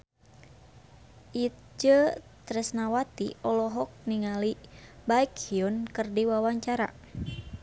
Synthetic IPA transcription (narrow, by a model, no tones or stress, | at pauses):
ʔit̪̚d͡ʒət̪ɾɛsnawat̪iʔɔlɔɦɔk̚niŋalibaikhiunkɨrdiwawaɲt͡ʃaɾa̰